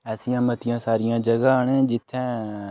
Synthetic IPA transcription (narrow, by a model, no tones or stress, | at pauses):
ɛːsɪjãːmət̪ɪjãːsaːɾɪjãːd͡ʒəɡaːɳẽːd͡ʒɪt̪ʰːɛ̃ː